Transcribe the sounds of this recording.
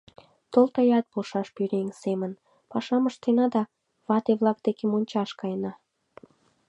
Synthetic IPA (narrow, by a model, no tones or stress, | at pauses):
t̪olt̪ɑjɑt̪̚polʃɑʃpyɾeŋsemən | pɑʃɑməʃt̪enɑd̪ɑ | βɑt̪eβlɑk̚d̪̥ekemonʲt͡ɕɑʃkɑjnɑ